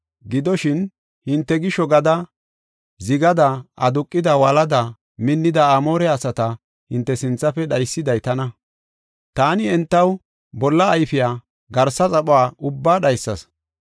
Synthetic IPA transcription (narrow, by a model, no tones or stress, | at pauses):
ɡɪd̪ɔʃɪn | hɪnt̪ːɛɡɪʃɔɡɐd̪ɐ | zɪɡɐd̪ɐʔɐd̪ʊkʼːɪd̪ɐwɐlɐd̪ɐ | mɪnːɪd̪ɐamo̞ːɾɛɐsɐt̪ɐ | hɪnt̪ːɛsɪnt͡sːɐfɛɗɐjsːɪd̪ɐjt̪ɐnɐ | t̪aːnɪɛnt̪ːɐw | bɔlːɐːjfɪjaː | ɡɐɾsɐt͡sʼɐɓʼʊaːʔʊbːaːɗɐjsːɐs